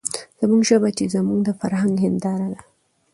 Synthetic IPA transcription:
z̥amuŋɡʒəbat͡ʃezamuɡd̪əfaɾhaŋɡɦɪnd̪ɑɾad̪a

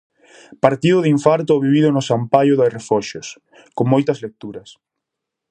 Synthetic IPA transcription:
paɾt̪iðʊðiɱfaɾt̪̬oːβiβ̞iðʊnʊsampajʊðorefɔʃʊs | koŋmojt̪ɐzlek̚t̪uɾɐs

